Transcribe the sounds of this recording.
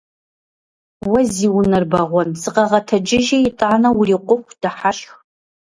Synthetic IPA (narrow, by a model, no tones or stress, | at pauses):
wɐziːwnɐrbɐʁʷɔnsɨqɐʁɐtʰɐd͡ʒɪʒɐjɪtʼaʕnɐwriːqʷʼʊxʷd̥ɐħaʃx